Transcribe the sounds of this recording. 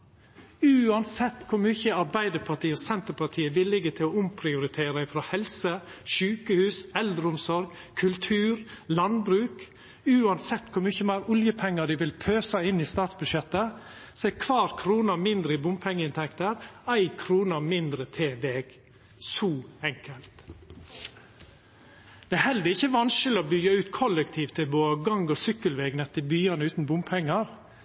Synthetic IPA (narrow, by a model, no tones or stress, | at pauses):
ʉːɑnsɛt̪ːkʰʊɾmyːçəɑɾbæɪd̪əɾpʰɑʈʰiːɔsɛnt̪əɾpʰɑʈ̪ʰiːəʋɪlɪɡət̪ʰɪlɔʊmpʰɾɪʊɾɪt̪ʰeːɾɑɪfɾohɛlsəʃʉːkəhʉːsɛld̪ɾəʊmsɔɾɡkʰʉlt̪ʰʉːɾlɑnbɾʉːk | ʉːɑnsɛt̪ːkʰʊɾmyːçəmæɪɾʊljəpʰɛŋːəd̪ɪʋɪlpʰøːsɑɪnːiːst̪ɑːt̪sbʉʃjɛt̪ːə | sɔæɪkʰʋɑːɾkʰɾuːnəɾmɪnd̪ɾəɪbʊmpʰɛŋːəɪnt̪ʰɛkt̪əɾæɪkʰɾuːnəɾmɪnd̪ɾət̪ʰeːʋeːɡ | sɔːɛŋkʰəlt̪ | d̪̥ɛæhɛld̪əɾɪçːəʋɑnʃəlɪɔbʏɡːɑʉːt̪kʰɔləkt̪ʰiːft̪ʰɪboːəɡɑŋɡɔsʏkːəlʋeːɡnɛt̪ːɪbyːɑnəʉːt̪n̩bʊmpʰɛŋːəɾ